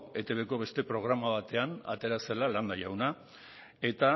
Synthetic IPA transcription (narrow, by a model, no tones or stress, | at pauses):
e̞t̪e̞βe̞ko̞β̞e̞st̪e̞pɾo̞ɣ̞ɾamaβ̞at̪e̞ana̰t̪e̞ɾase̞laland̪ajawna | e̞t̪a